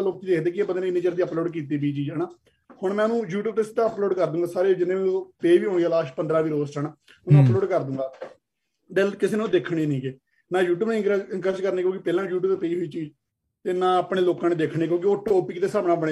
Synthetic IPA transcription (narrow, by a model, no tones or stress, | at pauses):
aloːk̚t͡ʃiːd͡ʒekd̪eːkieːbənd̪neniːd͡ʒəɾd̪iːəploːɖkiːt̪̬iːbiːt͡ʃiːd͡ʒɛːnaː | hʊɳmɛ̃ːnũːjuːʈuːb̚t̪est̪aəploːɖkəɾd̪ũːŋɡaːsaːɾeːd͡ʒɪnːeːmːnpeːʋiːɦõːɳiaːlaːʃpənd̪ɾãːʋiːɾoːzʈʰəna | nũəploːɖkəɾd̪ũːŋɡaː | d̪eːlkɪseːnːd̪eːkʰɽ̃eːnĩːkeː | naːjuːʈuːbnĩkːŋkəd͡ʒkəɾneːkjõːkɪpɛːlãːjuːʈ̬uːt̪eːpeːɦoiːt͡ʃiːd͡ʒ | t̪eːnãːəpɽeːloːkãːneːd̪eːkʰɳeːk̬jõːk̬ioːʈoːpiːkt̪eːsaːmnaːpɽe